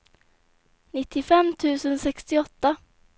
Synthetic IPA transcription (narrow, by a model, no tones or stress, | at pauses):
nɪt̪ʰːɪfɛmːt̪ʰʉ̟ːsənsɛkst̪ɪɔt̪ːa